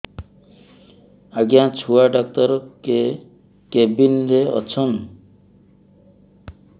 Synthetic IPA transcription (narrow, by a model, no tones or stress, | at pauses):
aɡjãt͡ɕʰuaɖak̚t̪ɔɾke | kebinɾeɔ̰t͡ʃʰɔn